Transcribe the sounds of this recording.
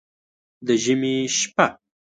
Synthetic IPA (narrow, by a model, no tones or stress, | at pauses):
d̪əʒəmeʃpa